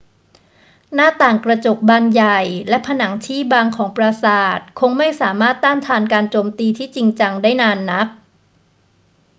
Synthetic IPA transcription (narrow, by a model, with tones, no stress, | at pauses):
naː˥˩t̪aː˨˩ŋkɾa˧t͡ɕo˨˩k̚baː˧nja˨˩jlɛ˦˥pʰa˧na˩˦ŋt͡ɕʰiː˥˩baː˧ŋkʰɔː˩˦ŋpɾa˧saː˨˩t̪̚kʰo˧ŋma˥˩jsaː˩˦maː˥˩t̪ːaː˥˩nt̪ʰaː˧nkaː˧nt͡ɕoː˧mt̪iː˧t̪ʰiː˥˩t͡ɕi˧ŋt͡ɕa˧ŋdaː˥˩jnaː˧nːa˦˥k̚